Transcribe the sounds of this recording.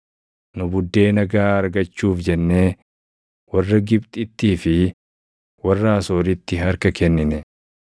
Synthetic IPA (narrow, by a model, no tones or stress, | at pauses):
nʊbʊd̪ːe̞ːnɐɡaːɐɾɡɐt͡ʃːuːfd͡ʒɛnːe̞ː | wɐrːɐɡɪbt̪ʼɪt̪ːiːfɪ | wɐrːaːso̞ːɾɪt̪ːɪɦɐɾkɐkɛnːɪnɛ